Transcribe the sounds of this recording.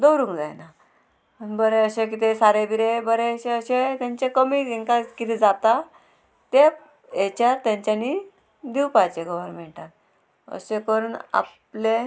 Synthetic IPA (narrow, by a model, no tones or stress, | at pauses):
d̪əwɾũŋkd͡zajna | ənbəɾeəɕẽk̬it̪esaɾebʱiɾebəɾeəɕẽəɕet̪jaɲt͡ɕekəmiːiŋkakit̪ed͡zat̪a | t̪e | et͡ɕaɾt̪jãɲt͡ɕjaniː | d̪iwpajt͡ɕeɡɔʋənm̤ẽɳʈat̪̚ | ə̰ɕekəɾuːna̰pple